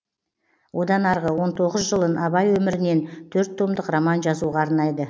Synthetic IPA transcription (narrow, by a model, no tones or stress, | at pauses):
wʔo̞d̪ɑnɑɾʁəwo̞nt̪ʰo̞ʁəzʒəlˠənʔɑbɑjwɵmɪɾɪne̞nt̪ʰɵɾt̪ʰːo̞md̪əqromɑnʒɑzuʁɑːɾnɑjd̪ə